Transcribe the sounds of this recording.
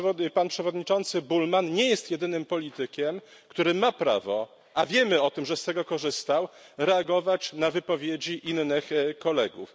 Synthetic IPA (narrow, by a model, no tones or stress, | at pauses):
panpʂɛvɔd̪ɲit͡ʂɔnt̪sɘbulmanɲɛjɛst̪jɛd̪ɘnɘmpɔlʲit̪ɘkʲɛm | kt̪uɾɘmapɾa̰vɔ | ʔavʲjɛmɘɔt̪ɘmʐɛst̪ɛɡɔkɔʐɘst̪awɾɛaɡɔvat͡ɕnavɘpɔvʲjed͡ʑiʔinːɘxkɔlɛɡṵf